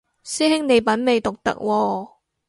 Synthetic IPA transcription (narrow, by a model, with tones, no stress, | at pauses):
siː˥hɪ˥ŋne˨˧jpɐ˨˥nme˨˧jt̪ʊ˨k̚t̪ɐ̰˨˥k̚wɔː˧